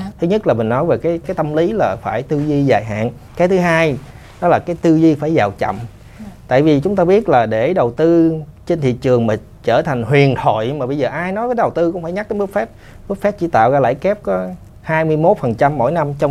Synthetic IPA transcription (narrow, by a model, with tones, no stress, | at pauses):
t̪ʰɨ˨˦ɲə˦˥t̚laː˨˩mï˨˩ŋ̟nɔ˨˦jve˨˩kaː˨˦jkaː˨˦jt̪ə˧mli˨˦laː˨˩faː˧˩jt̪ɨ˧zi˧zaː˨˩jɦa̰ː˧˨n | kaː˨˦jt̪ʰɨ˨˦ɦaː˧j | ɗɔ˨˦˥laː˨˩kaː˨˦jt̪ɨ˧zi˧faː˧˩jzaː˨˩wt͡ɕə̰˧˨m | t̪a̰ː˧˨jvi˨˩t͡ɕʊ˨˦ŋ͡mt̪aː˧ɓi˦˥ət̚laː˨˩ɗe˧˩ɗə˨˩wt̪ɨ˧ | t͡ɕe˧nt̪ʰḭ˧˨t͡ɕɨ˨˩əŋmaː˨˩ | t͡ɕəː˧˩t̪ʰa˨˩ŋ̟hwi˨˩ənt̪ʰo̰˧˨jmaː˨˩ɓə˧jzəː˨˩ʔaː˧jnɔ˨˦jvəː˨˦ɗə˨˩wt̪ɨ˧kʊ˧˥ŋ͡mfaː˧˩jɲa˦˥k̚t̪ʰə˨˦mɨ˦˥k̚fɛ˦˥p̚ | vɨ˦˥k̚fɛ˦˥p̚t͡ɕḭ˧˩t̪a̰ː˧˨wzaː˧la̰ː˧˩jkɛ˦˥p̚kɔ˨˦ | haː˧jmɨ˧əjmo˦˥t̚fə˨˩nt͡ɕa˧mːo̰˧˥jna˧mt͡ɕɔ˧wŋ͡m